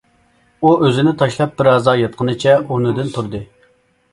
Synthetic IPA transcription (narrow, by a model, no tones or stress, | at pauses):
uʔøzɪnɪt̪ʰɑʃlˠɑp̚bɪɾɑzɑjɑt̪̚qʰənɨt͡ʃʰɛunɨd̪ɨnt̪ʰuɾd̪ɨ